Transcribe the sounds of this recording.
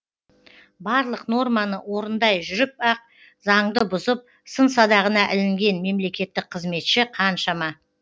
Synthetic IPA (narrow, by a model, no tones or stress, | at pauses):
bɑɾlˠəqno̞rmɑnəwo̞ɾənd̪ɑjʒʏɾɪp̚ɑq̚ | zɑɴd̪əbʊzəp̚ | səns̬ɑd̪ɑʁənɑʔɪlɪŋɡʲe̞nme̞mle̞kʲe̞t̪ːɪk̚qʰːəzme̞t̪ʃɪqʰɑnʃɑmɑ